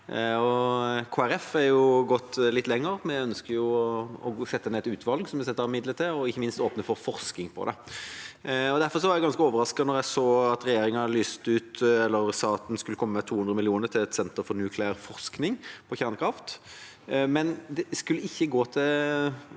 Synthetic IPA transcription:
ɔkʰoːæɾɛfɛɾjʊɡɔt̪ːlɪt̪ːlɛŋːəɾmɛœnskəɾjʊɔsɛt̪ːəneːt̪ʉːt̪ʰʋɑlɡsɔmɛsɛt̪ːəɾɪmɪd̪lət̪ʰɪɔɪçːəmɪnst̪oːpnəfɔɾfɔʁsknɪŋpʰɔ̰d̪ɛ̰ | ɔd̪æɾfɔɾʁsɔʋæːʁjæɪɡɑnskəoːʋəɾɑskɑnɔʁjæsoːɑt̪ɾɛjeːɾɪŋɑnlyːst̪əʉːt̪ɛlːəɾst̪ɑːt̪n̩skʉlːəkʰɔmːəət̪ʰuːhʉnd̪ʁəmɪlɪuːnəɾt̪ʰɪlɛt̪sɛnt̪əɾfɔɾnʉːkʰlɪəɾfɔʁsknɪŋpʰɔçæɾnəkʰɾɑft̪ | mɛnd̪ɛskʉlːəɪçːəɡoːt̪ʰɪ

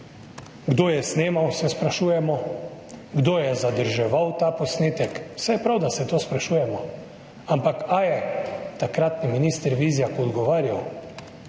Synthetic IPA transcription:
ɡd̪oːjɛsneːmawsɛspɾaʃuːjɛmɔ | ɡd̪oːjɛzad̪əɾʒɛʋawt̪aːpɔsneːt̪ɛksɛjɛpɾawd̪asɛt̪oːspɾaʃuːjɛmɔ | ampakajɛt̪akɾat̪niminiːst̪əɾʋiːzijakoɔd̪ɡɔʋaːɾjaw

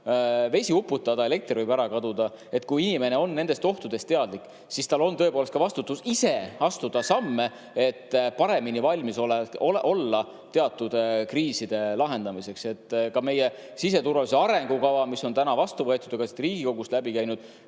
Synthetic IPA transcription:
ve̞sʲiupːˑut̪ːˑɑd̪ɑele̞k̚t̪rvɨjbæɾɑkɑd̪ud̪̥ɑ | e̞t̪kujinime̞ne̞o̞nːe̞nd̪e̞st̪o̞ht̪ud̪̥e̞st̪eɑd̪̥likːˑ | sist̪ɑlo̞nt̪ɤ̞epolet̪kɑvɑst̪ut̪ːˑusise̞ɑst̪ud̪̥ɑsɑmːe | et̪ːpɑɾe̞minivɑlʲmiso̞leolʔo̞lːɑ | t̪e̞ɑt̪ːˑud̪̥kriːsid̪̥e̞lɑɦe̞nd̪̥ɑmise̞kse̞t̪ːˑkɑme̞je | sis̬e̞t̪urvɑliseɑɾe̞ŋɡukɑvɑmiso̞nt̪ænɑvɑst̪uvɤ̞et̪ːˑud̪̥eɡ̥ɑsit̪riːɡiko̞ɡ̥ust̪læbikæjnud̪̥

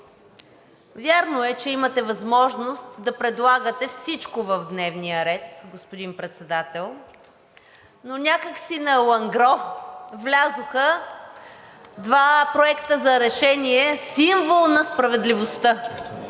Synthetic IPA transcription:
vʲjaɾnoɛt͡ʃɛimət̪ɛvɐzmɔʒnost̪d̪ɐpɾɛd̪lˠaɡət̪ɛfsit͡ʃkovəvd̪nɛvnijəɾɛt̪ɡospod̪inpɾɛt̪sɛd̪at̪ɛlˠ | nonʲakəksinɐlˠɐŋɡɾɔvlʲazoxə | d̪vapɾoɛkt̪əzɐɾɛʃɛniɛsiɱvolˠnɐspɾɐvɛd̪livost̪ə

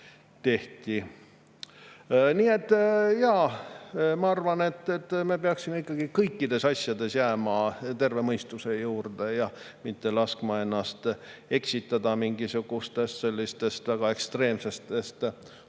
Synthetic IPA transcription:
t̪e̞ht̪i | niːe̞t̪ːˑjɑ | mɑɑrvɑne̞t̪ːˑet̪ːme̞peɑksimeikːˑɑɡ̥ikɤjkːid̪̥e̞sɑsjɑd̪e̞sjæːmɑt̪e̞rve̞mɤjst̪use̞juːrd̪̥e̞jɑ | mit̪ːe̞lɑskmɑe̞nːɑst̪e̞ksit̪ːˑɑd̪ɑmiŋɡisuɡ̥ust̪e̞st̪se̞lʲːist̪e̞st̪væɡ̥ɑe̞kst̪re̞ːmse̞st̪e̞st̪

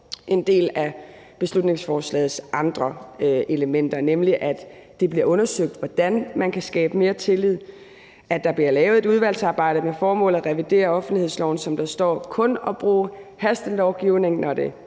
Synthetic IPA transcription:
ʔe̝nd̥e̝̰ːlæ | b̥e̝slud̥ne̝ŋsfɒːslɛ̰ːð̩ˠsʔɑ̈nd̥ʁɐʔe̝ləmen̰d̥ɐnemliʔæd̥d̥e̝b̥liɐɔ̽nɐsøɡ̥̚d̥ʋɒd̥ænmænkʰæsɡ̥ɛ̰ːb̥əme̝ːɐt͡sʰe̝lið̞̰ˠ | ʔæd̥ɑ̈b̥liɐlɛːʊð̩ˠe̝d̥uð̞ˠʋælsɑ̈ːb̥ɑ̈ɪ̰ɾ̥əmefɒːmɔ̰̽ːl̩ˠæʁɛʋid̥e̝̰ːɐɒ̽fn̩d̥ihḛslɒʊn̩sɒ̽md̥ɑ̈sd̥ɒ̰ːkʰɔ̽nɒ̽b̥ʁṵːhæsd̥n̩lɒʊɡ̥iʊne̝ŋnɒd̥e̝

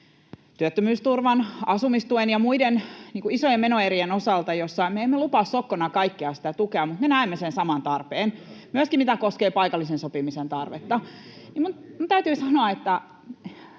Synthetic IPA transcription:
t̪yøt̪ːømyːst̪urʋɑnɑsumist̪uenjɑmuidenniːŋkuisojemenoerienosɑlt̪ɑjosːɑimmeemːelupɑssokːonɑkɑikːeɑsi̥t̪æt̪ukeɑmmut̪menæˑemːesensɑmɑnt̪ɑrpeːnmyøskimit̪ækoskeːpɑikɑlːisensopimisent̪ɑrʋḛt̪ːɑnimunmunt̪æyt̪yːsɑnoɑet̪ːæ

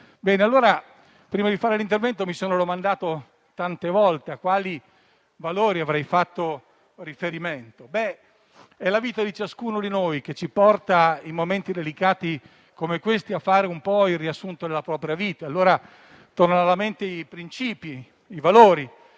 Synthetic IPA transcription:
bɛːnealːoːɾa | pɾiːmad̪ifaːɾelint̪̬ervɛnt̪omisoːnod̪omand̪aːt̪o | t̪ant̪evɔlt̪eakwaːli | valoːɾiavɾɛjfat̪ːo | rifeɾiment̪obɛ | ɛlaviːt̪ad̪it͡ʃaskuːnod̪inojk̟et͡ʃːipɔrt̪aimoment̪id̪elikaːt̪i | komekwest̪iafːaːɾeumpɔilriasːunt̪od̪elapɾɔːpɾjaviːt̪aalːoːɾa | t̪ornaalament̪eipɾint͡ʃiːpi | ivaloːɾi

